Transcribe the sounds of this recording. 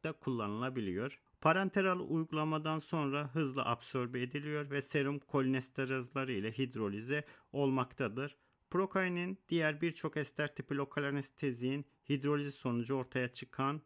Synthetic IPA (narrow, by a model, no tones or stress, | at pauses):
t̪akʰulˠːanɯlˠabilʲijo̞ɾ̥ | pʰaɾant̪ʰeɾalˠɯ̰ujɡulˠamad̪anso̞nɾaɦɯzlˠɯ̰ʔapso̞ɾbied̪ilʲijo̞ɾvɛseɾumkʰo̞lʲinɛst̪ʰaɾazlˠaɾɯilʲɛɦid̪ɾo̞lʲyzɛo̞lˠmakt̪ʰad̪ɯɾ | pɾo̞kʰajnind̪̥ijæɾbiɾt͡ʃʰo̞kɛst̪ʰæɾt̪ʰipilʲo̞kʰalʲaɾnɛst̪ʰezijin | hid̪ɾo̞lʲizso̞nud͡ʒuo̞ɾt̪ʰajat͡ʃʰɯkʰan